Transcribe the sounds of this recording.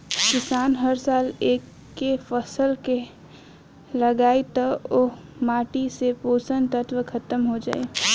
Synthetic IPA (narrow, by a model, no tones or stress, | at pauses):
kɪsaːnɦəɾsaːleːkː | efəsəlke | lɐɡaːet̪ɐomaːʈisepoːsənt̪ət̪wəkʰɐt̪əmɦod͡ʒa̰ːe